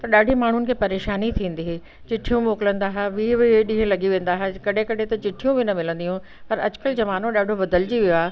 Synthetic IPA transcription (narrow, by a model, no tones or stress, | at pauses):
t̪ɐɗaːɖʱimaːɳ̤ʊnɪ̆kʰeːpɐɾeːʃaːnit̪ʰĩːn̆d̪iɦe | t͡ɕɪʈʰːijũmoːkɪlə̃nd̪aɦeʋiːbiɗĩɦə̃lɐɠiʋẽːnd̪aːɦekɐɗʱẽkɐɖʱet̪ɐt͡ɕɪʈʰijũbɪnɐmɪlə̃nd̪ijɦũ | pɐɾɐ̰d͡ʑʊkəld͡ʑɐʋaːnõɗaːɖʱoʋɐd̪əld͡ʑiʋijoaː